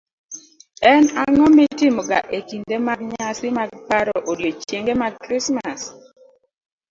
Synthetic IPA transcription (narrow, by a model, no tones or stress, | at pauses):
ɛnaŋɔmɪtɪmɔɡa̰ʔekindemaɡɲasɪmaɡpaɾɔʔodjot͡ʃjeŋɡemakɾismas